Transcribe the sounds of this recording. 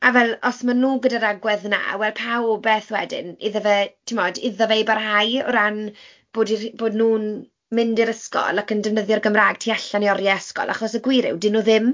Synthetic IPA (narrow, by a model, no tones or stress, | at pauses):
avɛlˠɔsmanuːɡədaɾaɡwɛðna̰wɛlpʰawbɛθwɛdɪ̰niðəvɛtʰɪmɔdɪðɔvejbarɦajɔ̰ɾan | b̥oːdiboːdnuːn | mɪndɪɾəskɔ̰lˠakəndɛvnəðjɔrɡəmraːɡ̚tʰiːaɬaniɔrjaəskɔ̰lˠʔa̰χɔsəɡwɪɾɪ̰wdɪnuðɪm